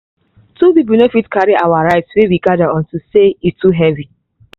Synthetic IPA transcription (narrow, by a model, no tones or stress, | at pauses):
tuðibɛnefitkʰaɹiʔawaɹaɪtswewiɡadaɔ̃ntuseitʰuɦɛvi